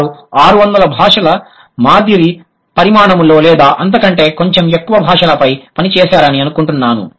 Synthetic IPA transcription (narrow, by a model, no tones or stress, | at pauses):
ɾuaːɾuʋɐnd̪ɐlɐbʱaːʂɐlɐ | maːd̪ʱiɾi | pɐɾimaːɳɐmlo̞ːlɛːd̪aːʔɐnt̪̬ɐkɐɳʈe̞ːko̞ɲt͡ʃe̞mekːuʋɐbʱaːʂɐlɐpɐjpɐnit͡ʃɛːʃaːɾɐniɐnukuɳʈunːaːnṵ